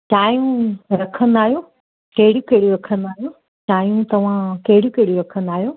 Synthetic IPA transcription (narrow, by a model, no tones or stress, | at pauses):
t͡ʃaːjũɾɐkʰənd̪aːɦijoː | kɐɦɪɽjukɐɦɪɽuɾɐkʰə̃nd̪aːɦijoː | t͡ɕaːjũt̪ɐʋ̤ãkɐɦɪɽjukɐɦɪɽuɾɐkʰə̃n̆d̪aːɦijoː